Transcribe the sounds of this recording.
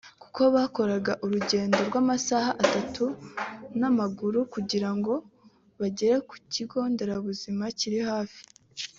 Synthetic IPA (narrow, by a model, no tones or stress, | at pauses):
ku̥ko̞βaːko̞ɾaɡaʔuɾuɟe̞ːndo̞ɾɡwaːmasahaʔatatunamaɡuɾukuɟiɾaŋɡo̞ | βaɟe̞ɾe̞ku̥ciɡo̞ːnde̞ɾaβuzimaciɾihaːfi̥